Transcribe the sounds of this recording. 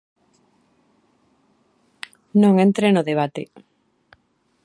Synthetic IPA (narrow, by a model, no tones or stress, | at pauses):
nõŋent̪ɾenʊðeβ̞at̪ḛ